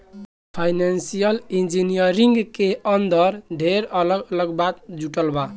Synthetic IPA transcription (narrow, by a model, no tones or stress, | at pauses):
pʰajnansijəlind͡ʒinijəɾiŋɡkeənd̪əɾɖʱeɾələɡələɡbat̪̚d͡ʒuʈəlba